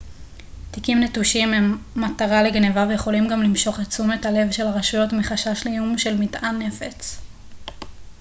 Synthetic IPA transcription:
tikimnetuʃimemːataʁaleɡnevavejeχo̞limɡamlimʃo̞χat͡sume̞tale̞vʃelaʁaʃujo̞tmiχaʃaʃlejumʃe̞lmitʔanːe̞fet͡s

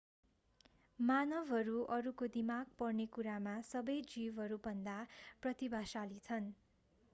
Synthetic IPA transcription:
manʌbʱɦʌɾuʔʌɾukod̪imaɡpʌrnekuɾamasʌbʌjd͡zibɦʌɾubʌnd̪aprʌt̪ibʱasalit͡sʰʌn

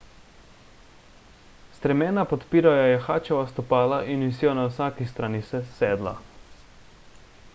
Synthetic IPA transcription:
st̪ɾɛmɛːnapɔt̪piːɾajojɛxaːt͡ʃɛʋast̪ɔpaːlaʔinisiɔnawsaːkist̪ɾaːnisɛsɛːd̪la̰

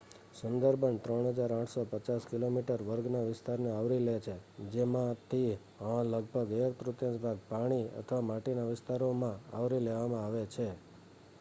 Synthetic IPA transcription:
sʊnd̪əɾbʱəɳt̪ɾəɳɦəd͡ʒaɾãʈʰsopət͡ʃaskilomiʈəɾʋəɾɡnaʋɪst̪aɾneaʋɾilet͡ʃʰed͡ʒemãt̪ʰi | ələɡ̚bʱəɡeəkt̪ɾut̪jə̃sbʱaɡ̚paɽ̃iə̰t̪ʰʋamaʈenaʋɪst̪aɾomãa̰ʋɾileʋamãaʋet͡ʃʰe

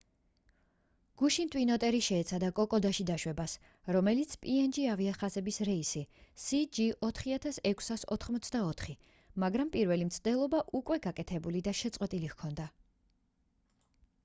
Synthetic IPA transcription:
ɡ̥uʃint̪ʼwinɔt̪ʼɛɾiʃɛːt̪sʰad̪akʼɔkʼɔd̪aʃid̪aʃwɛbas | ɾɔmɛlit̪sʰpʼiɛnd͡ʒiaviaχazɛbisɾɛisisid͡ʒiʔɔt̪ʰχiat̪ʰasɛkʷʰsasɔ̰t̪ʰχmɔt̪sʰd̪aɔt̪ʰχi | maɡɾampʼiɾvɛlimt̪sʰd̪ɛlˠɔbaʔukʼwɛɡakʼɛt̪ʰɛbulid̪aʃɛt̪sʼqʼwɛt̪ʼilihkʰɔnd̪a

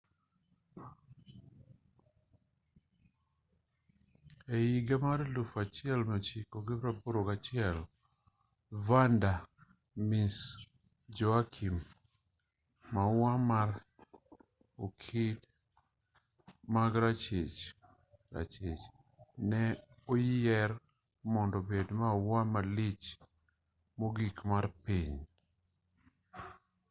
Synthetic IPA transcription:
ejiɡamaɾlufat͡ʃɪɛlmɛt͡ʃikoɡɪɾapoɾokat͡ʃɪɛl | vanda | mis | d͡ʒɔakʰim | awamar | okʰid | maɡɾat͡ʃet͡ʃ | ɾa̰t͡ʃet͡ʃ | nɛ | ojɛr | mɔndɔbedmawamalit͡ʃ | moɡikmarpiɲ

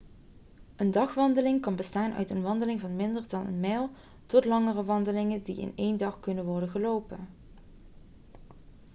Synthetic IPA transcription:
ʔəndɑχʋɑndəlɪŋkɑnbəstaːnʔœ̰ɥtə̰nʋɑndəlɪŋvɑnmɪndəɹdɑnə̰nmɛːlˠ | tɔtlɑŋərəʋɑndəlɪŋəndiɪ̰nejndɑχkɵnənʋɔɹdənɣəlowpən

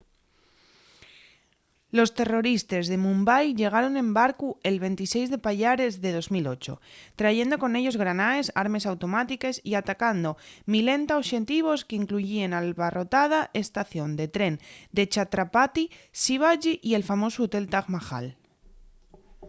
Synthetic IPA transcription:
lo̞st̪e̞ro̞ɾist̪ezðe̞mũmbajʎe̞ɣ̞aɾo̞ne̞mbaɾkue̞lβe̞nt̪ise̞jzðe̞paʎaɾe̞zðe̞ð̞o̞zmilo̞t͡ʃo̞̰t̪ɾaʝe̞nd̪o̞ko̞ne̞ʎo̞zɣ̞ɾanae̞saɾme̞sawt̪o̞mat̪ikesiat̪akand̪o̞mile̞nt̪aoʃe̞nt̪iβ̞o̞skeiŋkluʝienalβaro̞t̪að̞aʔe̞st̪aθjo̞nd̪e̞t̪ɾe̞nd̪e̞t͡ʃat̪ɾapat̪isiβ̞aʝiʔie̞lfamo̞sot̪e̞lt̪aɣmaxa̰l

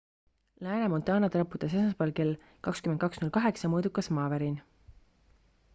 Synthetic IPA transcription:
læːnemo̞nt̪ˑɑːnɑt̪rɑpːˑut̪ːˑɑs̬esɑspɑlkel | kɑkskymend̪̚kɑksnulkɑɦe̞ksɑmɤːd̪ukːˑɑsmɑːvæɾin

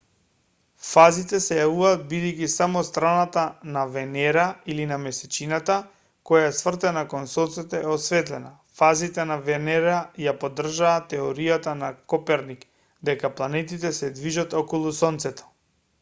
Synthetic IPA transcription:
fazit̪ɛsɛjavuvaːd̪̚bid̪ɛjkisamɔst̪ɾanat̪anavɛnɛɾailinamɛsɛt͡ʃinat̪a | kɔjaɛsvr̩t̪ɛnakɔnsɔnt̪sɛt̪ɛɛɔsvɛt̪lɛna | fazit̪ɛnavɛnɛɾajapod̪r̩ʒaːt̪ːɛoɾijat̪anakɔpɛɾnik | d̪ɛkaplˠanɛt̪it̪ɛsɛd̪viʒat̪ɔkɔlˠusɔnt̪sɛt̪ɔ̥

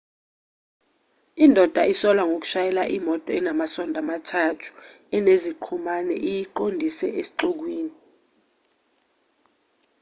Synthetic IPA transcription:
indʱɔd̥ʱaisɔlwaŋʱok̬u̥ʃajɛlaʔimɔtʼɔɛnamasɔndʱamatʰatʰu̥ | ɛneziǃʰumanɛ̰ʔijiǃondʱisɛʔesi̥ǃuk̬wiːni

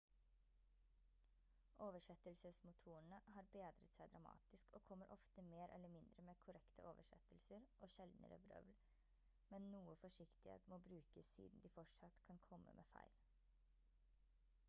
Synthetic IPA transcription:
ʔoːʋəʂɛt̪əlsəsmʊt̪ʰuːəɳəhɑːɾbeːd̪ɾə̰t̪sæɪd̪ɾɑmɑ̰ːt̪ɪskoːkʰɔmːəɾʔɔft̪əmeːɾʔɛ̰lːəmɪnd̪ɾəmeːkʰʊɾɛkt̪ʰə̰ʔoːʋəʂɛ̰t̪əlsəɾʔoːʃɛld̪nʔə̰ɾə̰bɾœ̰ʋl | mɛnnuːəfɔʂɪkt̪ɪhḛːt̪moːbɾʉːkəsḭːd̪n̩d̪iːfɔʈʂɑt̪kʰɑnkʰɔmːʔə̰mʔeːfæ̰ɪl

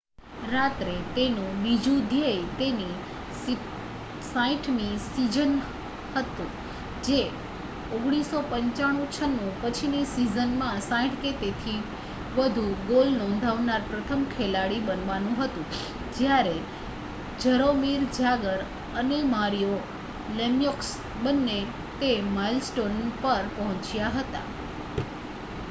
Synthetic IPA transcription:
ɾat̪ɾet̪enũbid͡ʒũd̪ʱjəjt̪eni | sãĩʈʰnisid͡ʒən | hət̪ũ | d͡ʒe | oɡɽ̃isopəɲt͡ʃaɽ̃ũt͡ʃʰənũpət͡ʃʰinisizənmãsãĩʈket̪et̪ʰi | ʋəd̪ʱũɡolnɔ̃nd̪ʱaʋnaɾpɾət̪ʰəmkʰelaɽibənʋanũɦət̪ũ | d͡ʒjaɾe | d͡ʒəɾomiɾd͡ʒaɡəɾ | ənemaɾijo | lemjoks | bənːe | t̪emailsʈonpəɾpəɦɔ̃t͡ʃjaɦət̪a̰

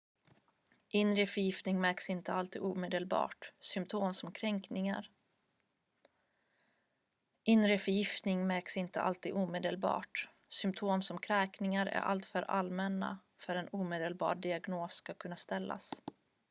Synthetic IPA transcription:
ʔɪnɾəfœɾjɪft̪nɪŋmæɾksɪnt̪ʰəalt̪ʰiːd̪uːmeːd̪əlbɑ̰ːʈsʏmpt̪ʰoːmsɔmkʰɾɛŋknɪŋa̰ɾ | ʔɪnɾəfœjɪft̪nɪŋmæksɪnt̪ə̰ʔa̰lt̪ʰiːd̪uːmeːd̪əlbɑ̰ːʈ | sʏmpt̪ʰoːmsɔmkʰɾɛːknɪŋaɾæ̰ɾʔa̰lt̪fœɾʔalmɛnːa̰ | fœɾɛnuːmeːd̪əlbɑ̰ːɾɖɪaɡnoːskakʰɵnːast̪ɛlːa̰s

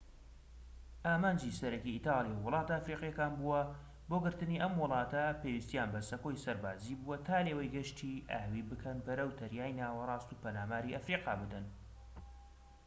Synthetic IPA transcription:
ʔaːmaːnd͡ʒisɐɾɐkiit̪ɑːlˠijawwʊlˠɑːt̪ɐːfɾiːqjɛkaːnbuwɐ | boɡɨɾt̪ɨniʔɐmwɨlˠɑːt̪ɐpewist̪ijaːnbɐsɐkojsɐɾbaːziːbuwɐt̪ʰaːleːwɐjɡɐʃt̪ʰiʔa̰ːwibɨkʰɐnbɐɾɐwt̪ʰɐɾjaːjnaːwɐrˤɑːst̪upɐnaːmaːɾiʔɐfɾiːqɑːbɨd̪ɐn

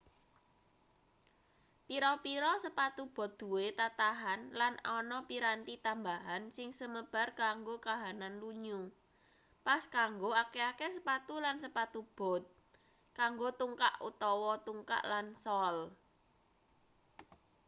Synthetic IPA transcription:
piɾɔpiɾɔsəpat̪ub̥ɔ̤t̪̚d̪̥ṳwet̪at̪aɦanlanɔnɔpiɾant̪it̪ambaɦansɪŋsəməb̥a̤rkaŋɡokaɦananluɲu | paskaŋɡoakeakesəpat̪ulansəpat̪ub̥ɔ̤t̪̚ | kaŋɡot̪uŋka̰ʔṵt̪ɔwɔt̪uŋka̰ʔlansɔl

